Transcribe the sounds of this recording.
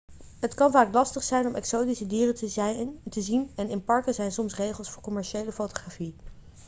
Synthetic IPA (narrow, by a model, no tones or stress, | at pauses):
ɦətkɑnvaːklɑstəχsɛjnɔmɛksowtisədiːrə | təzinɛnɪnpɑɹkəzɛjnsɔmsrejχəlˠsfʊːɹkɔmɛɹʃejləfowtoχraːfi